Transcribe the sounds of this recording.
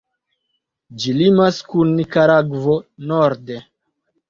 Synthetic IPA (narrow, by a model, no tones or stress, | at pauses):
d͡ʒilimaskunːikaɾaɡvonoɾde